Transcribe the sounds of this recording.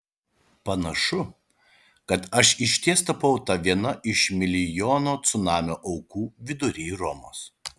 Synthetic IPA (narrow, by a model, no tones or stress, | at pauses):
pɐnɐʃʊ | kɐt̪ɐʃɪʃʲt̪ʲiɛst̪ɐpɐʊt̪ɐʋʲiɛnɐʔɪʃmʲɪlʲɪjoːnoːt̪sʊnɑːmʲoːʔɐʊkuːʋʲɪd̪ʊɾʲiːɾɔmo̰ːs